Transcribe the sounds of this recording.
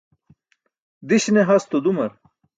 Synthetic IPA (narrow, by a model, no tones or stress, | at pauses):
d̪iɕneɦɐst̪od̪umɐɾ